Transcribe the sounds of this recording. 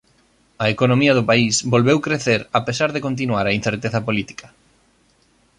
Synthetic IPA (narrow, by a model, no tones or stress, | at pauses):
ɐekonõmiɐðʊpaisbolβewkɾeθeɾapesaɾðekont̪̬inuaɾain̟θeɾt̪eθɐpolit̪i̥kʰɐ̥